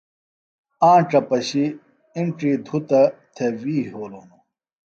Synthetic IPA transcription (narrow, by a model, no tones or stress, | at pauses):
ãːʈ͡ʂɐpɐɕi | iɳʈiːd̪ʱut̪ɐt̪ʰewiːɦoːloːnu